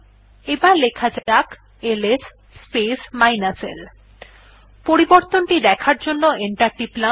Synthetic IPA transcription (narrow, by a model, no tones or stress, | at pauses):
ebalekʰad͡ʑaak | eles | spesmajnasḛl | poɾiboɾt̪onʈid̪ɛkʰaɾd͡ʑonːoeɳʈaɾʈipla